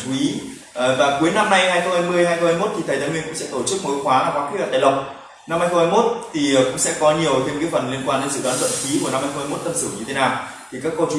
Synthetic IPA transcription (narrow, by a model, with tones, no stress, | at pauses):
u˨˦i˨˦˨ | vaː˨˩ku˨˦əjna˧mna˧jaː˧jxə˧wŋ͡mhaː˧jmɨ˧əjɦaː˧jxə˧whaː˧jmo˦˥t̚t̪ʰi˨˩t̪ʰə˨˩t̪aː˨˦nwi˧nkʊ̰˧˥ŋ͡msɛ̰˧˥t̪o˧˩t͡ɕɨ˦˥k̚mo˨˦xwaː˨˦a˧˩kwaː˨˦kːlə̰˨˩a̰ː˧˨lə˧wŋ͡m | na˧mhaː˧jxə˧ŋ͡mhaː˧jmo˦˥t̚t̪ʰi˨˩˨kʊ̰˧˥ŋ͡msɛ̰˧˥kɔ˨˦ɲi˨˩əwt̪ʰe˧mkaː˨˦jfə˨˩nli˧ənkwaː˧nɗe˨˦nsɨ̰˧˨ɗwaː˨˦nzwə̰˧˨nxi˨˦ku˧˩əna˧mhaː˧jxŋ͡mha˧jmo˦˥t̚t̪ə˧msɨ˧˩ŋɲɨ˧t̪ʰe˨˦naː˨˩w | t̪ʰi˨˩kaː˦˥kːɔ˧t͡ɕu˨˦